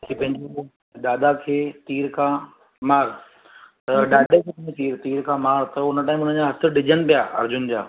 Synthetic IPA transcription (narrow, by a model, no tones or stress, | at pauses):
kipɐ̃ɦɪ̃ɲd͡ʑo | ɗ̪aːd̪akʰeːt̪iːɾkʰãː | maːɾ | t̪ɐɗaːɗekʰɐmẽt̪iːɾt̪iːɾkʰãːmaːɾt̪ɐʊnəʈaːĩmʊnə̃nd͡ʑãɦɐsʰəɗɪd͡ʑəñpijaːɐ̰ɾd͡ʑʊnd͡ʑa̰ː